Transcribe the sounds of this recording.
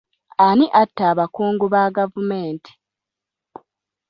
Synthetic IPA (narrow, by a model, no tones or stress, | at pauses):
aniʔatːaːβakuːŋɡuβaːɡavumeːnti̥